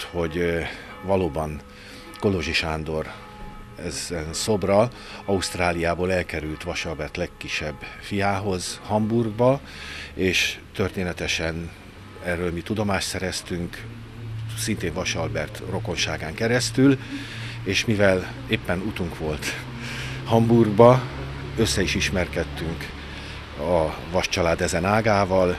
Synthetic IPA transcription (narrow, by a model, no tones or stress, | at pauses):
ho̞ɟ | vɒloːbɒn | ko̞loʒiʃaːnd̪o̞r | ɛzɛnso̞brɒ | ɒust̪raːlijaːboːlɛlkɛɾylt̪ʋɒʃɒlbɛrt̪lɛkːiʃːɛbːfijaːɦo̞zhɒmburɡbɒ | eːʃt̪ørt̪eːnɛt̪ɛʃɛn | ɛrːøːlmit̪ud̪o̞maːʃt̪sɛɾɛst̪yŋk | sint̪eːɱvɒʃɒlbɛrt̪ro̞ko̞nʃaːɡaːŋkɛɾɛst̪yl | eːʃmivɛl | eːpːɛnut̪uŋkʋo̞lt̪ | hɒmburɡbɒ | ø̞sːɛiʃiʃmɛrkɛt̪ːyŋk | ɒvɒʃt͡ʃɒlaːd̪ɛzɛnaːɡaːvɒl